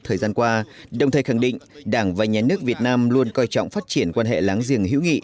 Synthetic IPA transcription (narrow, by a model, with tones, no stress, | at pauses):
t̪ʰəː˨˩jzaː˧nkwaː˧ɗə˨˩wŋ͡mt̪ʰəː˨˩jxa˧˩ŋɗḭ˧˨ŋ̟ɗaː˧˩ŋvaː˨˩ɲaː˨˩nɨ˦˥ək̚vi˨˩ət̚naː˧mlu˧ənkɔ˧jt͡ɕɔ̰˧˨wŋ͡mfaː˦˥t̚t͡ɕi˧˩ənkwaː˧nɦḛ˧˨laː˨˦ŋzi˧˩əŋɦḭ˧˥wŋḭ˧˨